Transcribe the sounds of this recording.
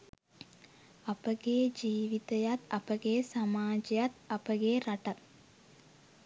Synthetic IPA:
ɐpəɡeːd͡ʒiːʋit̪ɐjat̪ɐpəɡeːsamaːd͡ʒɐjat̪ɐpəɡeːɾaʈat̪̚

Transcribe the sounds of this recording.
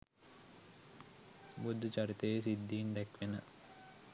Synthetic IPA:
bud̪ːət͡ʃɐɾit̪əjes̬id̪ːiːnd̪ɛkʋenə

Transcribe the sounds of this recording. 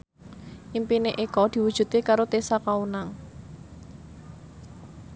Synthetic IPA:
ʔimpineʔekɔd̪̥i̤wud̥ʒ̥ṳt̪ikaɾot̪esakaunaŋ

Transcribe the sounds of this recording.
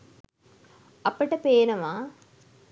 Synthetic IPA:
ɐpəʈəpeːnɐʋaː

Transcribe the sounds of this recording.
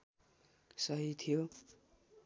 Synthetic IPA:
sʌɦit̪ʰijo

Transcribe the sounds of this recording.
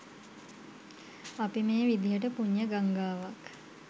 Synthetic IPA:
apimeːʋid̪ijəʈəpuɲːəɡaŋɡaːʋak

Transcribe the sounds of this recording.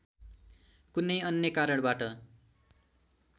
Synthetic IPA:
kunʌjʌnjʌkaɾʌɽ̃baʈʌ

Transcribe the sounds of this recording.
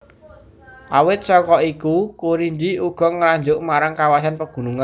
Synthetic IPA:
ʔawɪt̪̚sɔkɔikukuɾiɲd͡ʒiuɡ̥ɔ̤ŋəɾaɲd͡ʒʊʔmaɾaŋkawasanpəɡ̥ṳnuŋan

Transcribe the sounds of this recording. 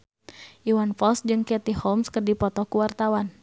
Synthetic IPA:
ʔiwanfɔlsd͡ʒɨŋkɛt̪ihɔlmskərdipɔt̪ɔkuwart̪awan

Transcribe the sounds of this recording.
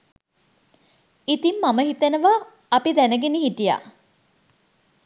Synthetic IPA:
it̪imːaməɦit̪ənəʋaː | pid̪ænəɡeniɦiʈija̰

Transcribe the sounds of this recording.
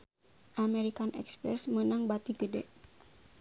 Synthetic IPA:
ʔamɛɾikanʔɛ̰kspɾɛsmənaŋbat̪iɡədɛ̰ʔ

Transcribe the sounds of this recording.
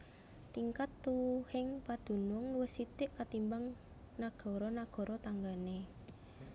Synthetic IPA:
t̪iŋkat̪ːuhɪŋpad̪̥ṳnʊŋluwɪsit̪ɪʔkat̪imbaŋ | naɡ̥ɔ̤ɾɔnaɡ̥ɔ̤ɾʔɔt̪aŋɡane

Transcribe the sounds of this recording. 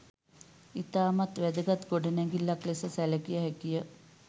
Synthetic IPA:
it̪aːmat̪ʋæd̪əɡat̪ɡoɖənɛŋɡilːaklesəsæləkijəɦɛkijə

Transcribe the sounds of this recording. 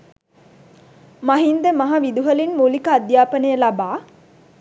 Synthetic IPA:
maɦind̪əmaɦaʋid̪uɦəlinmulikəad̪jaːpənəjəlabaː

